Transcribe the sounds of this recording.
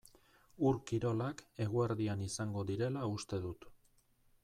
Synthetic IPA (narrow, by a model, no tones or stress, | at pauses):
uɾkiɾo̞lake̞ɣ̞ueɾðianisaŋɡo̞ðiɾe̞laust̪e̞ðut̪